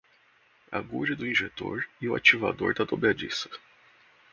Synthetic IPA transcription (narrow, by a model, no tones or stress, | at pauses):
a̰ɡud͡ʒɪd̪ʊĩʒet̪o̰ɾɪʊa̰t͡ʃiva̰d̪oɾd̪ɐd̪obad͡ʒisɐ̥